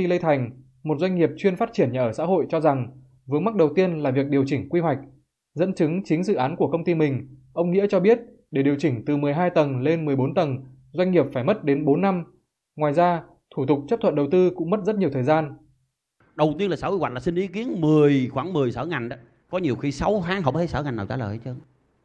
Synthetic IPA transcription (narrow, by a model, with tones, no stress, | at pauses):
xi˧lə˧jt̪ʰa˨˩jŋ̟ | mo˨˩t̚zwa˧jŋ̟ŋi˨˩əp̚t͡ɕwi˧ənfaː˦˥t̚t͡ɕi˧˩ənɲa̰˨˩ʔəː˧˩sa̰ː˧˥ɦo̰˧˨jt͡ɕɔ˧za˨˩ŋ | vɨ˨˦əŋma˦˥k̚ɗə˨˩wt̪i˧ənlaː˨˩vi˨˩ək̚ɗi˨˩əwt͡ɕï˧˩ŋ̟kwi˧ɦwa˨˩jk̟̚ | zə̰˧˥nt͡ɕɨ˨˦ŋt͡ɕi˨˦ŋ̟zɨ̰˧˨ʔaː˨˦nku˧˩əkə˧wŋ͡mt̪i˧mï˨˩ŋ̟ʔə˧wŋ͡mŋḭ˧˥ət͡ɕɔ˧ɓi˦˥ət̚ | ɗe˧˩ɗi˨˩əwt͡ɕï˧˩ŋ̟t̪ɨ˨˩mɨ˨˩əjɦaː˧jt̪ə˨˩nle˧nmɨ˨˩əjɓo˨˦nt̪ə˨˩n | zwa˧ŋ̟ŋi˨˩əp̚faː˧˩jmə˦˥t̚ɗe˨˦nɓo˨˦nːa˧m | ŋwaː˨˩jzaː˧ | t̪ʰu˧˩t̪ʊ˨˩k͡p̚t͡ɕə˦˥p̚t̪ʰwə̰˧˨nɗə˨˩wt̪ɨ˧kʊ̰˧˥ŋ͡mmə˦˥t̚zə˦˥t̚ɲ˨˩əwt̪ʰəː˨˩jzaː˧n | ɗə˨˩wt̪i˧ənlaː˨˩saː˧˥o̰˨˧˨kwaː˧˩laː˨˩si˧nʔi˨˦ki˨˦ənmɨ˨˩əjxwaː˧˩ŋmɨ˨˩əjsa˨˦wŋa˨˩jŋɗa˨˦ | kɔ˨˦ɲi˨˩əwxi˧sa˨˦wt̪ʰaː˨˦ŋhɦə˧wŋ͡mt̪e˧˦˥sa˨˦wŋa˨˩naː˨˩wt͡ɕa̰ː˧˩ləː˨˩jt͡ɕə˧ŋ